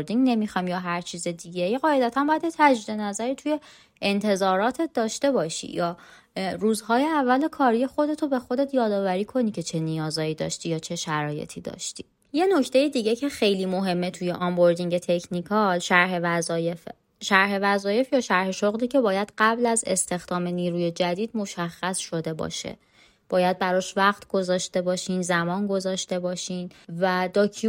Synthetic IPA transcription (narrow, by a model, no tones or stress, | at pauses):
ɾd̪iŋɟne̞mixɒmjɒːɦæɾt͡ʃʰiːzed̪iːɟejeɣɒːe̞d̪æt̪ʰæmbɒːjæd̪jet̪ʰæd͡ʒiːd̪e̞næzæɾiːt̪ʰuje̞ | ent̪ʰe̞zɒːɾɒːt̪ʰet̪̚d̪ɒːʃt̪e̞bɒːʃḭjɒː | ruːzhɒːjeævːælekʰɒːɾijexo̞d̪e̞t̪ʰobe̞xo̞d̪et̪ʰjɒːd̪ɒːvæɾiːkʰo̞nicʰe̞t͡ʃʰe̞nijɒːzɒːjiːd̪ɒ̰ːʃt̪ijɒːt͡ʃʰe̞ʃæɾɒːjḛt̪ʰid̪ɒ̰ːʃt̪iː | je̞no̞cʰt̪ejed̪iːɟe̞cʰe̞xe̞jliːmo̞ɦe̞mːe̞t̪ʰuje̞ʔɒmbo̞ɾd̪iŋɟe̞t̪ʰe̞cʰnikʰɒʃæɾɦevæzɒːjef | ʃæɾɦe̞væzɒːje̞fjɒːʃæɾhe̞ʃoɣliːcʰe̞bɒːjæd̪ɢæblæzest̪e̞xd̪̥ɒːme̞niːɾuːje̞d͡ʒæd̪iːd̪mo̞ʃæxːæsʃo̞d̪e̞bɒ̰ːʃḛ | b̥ɒːjæd̪̚bæɾɒʃvæɣt̪ʰɡ̥ozɒːʃt̪e̞bɒːʃiːnzæmɒːnɡo̞zɒːʃt̪e̞bɒːʃiːnvæd̪ɒːkʰi